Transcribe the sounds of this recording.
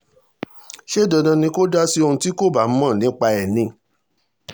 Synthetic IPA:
ʃe˦˨dɔ˧˨dã˧nĩ˧ko˦da˦si˦o˧ũ˧ti˦ko˦˨ba˨˦mã˦˨nĩ˨˦k͡pa˧ɛ˨nĩ˧˦

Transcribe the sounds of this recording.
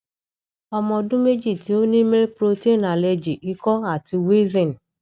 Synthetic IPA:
ɔ˧mɔ̃˧dũ˦me˦d͡ʒi˦˨ti˨˦o˦nĩ˦me˦lpɾo˧te˦˨na˨lɛ˧d͡ʒi˨ʔi˦kɔ˦a˦˨ti˧we˦zĩ˨n˨

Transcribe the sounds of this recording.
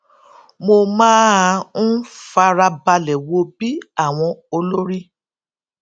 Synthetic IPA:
mo˧mãː˦˧ñ̩˦fa˧ɾa˧ba˧lɛ˨wo˧bi˦a˦˨w̃ɔ̃˧o˧lo˦ɾi˦

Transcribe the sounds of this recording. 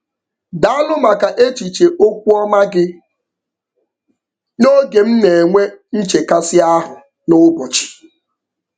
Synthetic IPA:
da˨˦a˦lʊ˦ma˨ka˨ʔe˦t͡ʃi˨t͡ʃe˨ʔo˦kʷu˦ɔ˦ma˦ɡɪ˦ | no˦ɡe˨m̩˦ne˨e˨ŋʷe˦n̩˦t͡ʃe˨ka˦sɪ˦a˦ɦʊ˨ | nʊ˦bɔ˨t͡ʃi̥˨

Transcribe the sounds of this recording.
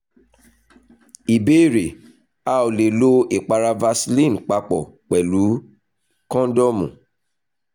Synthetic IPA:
i˨be˦i˦˨ɾe˨ | a˦o˨le˨lo˦i˨k͡pa˧ɾa˧va˧slĩ˦˨n˨k͡pa˧k͡pɔ˨k͡pɛ˨lu˨˦ | kɔ̃˦dɔ˦mṵ̃˨

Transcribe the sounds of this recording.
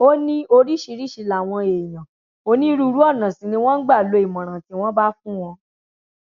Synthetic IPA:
o˦nĩ˦o˧ɾi˦ʃi˧ɾi˦ʃi˧la˨w̃ɔ̃˧e˨j̃ã˨ | o˧˦nĩ˦ɾu˧ɾu˨˦ɔ˦˨nã˨sĩ˨nĩ˧w̃ɔ̃˦n̩˦ɡ͡ba˦˨lo˨˧˦i˨mɔ̃˨ɾ̃ã˨ti˨˦w̃ɔ̃˦ba˦fũ˦w̃ɔ̃˧

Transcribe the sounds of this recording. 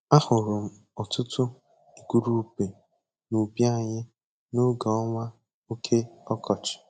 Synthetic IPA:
a˦hʊ˨ɾʊ˨m̩˦ | ɔ˨tʊ˦tʊ˦ | i˨ku˨ɾu˦pe˨ | nu˨bja˦˨ɲɪ˦ | no˦ɡa˨ɔ˦ŋʷa˦ | o˦kʰe˦ɔ˦kʰɔ˨t͡ʃɪ̥˨

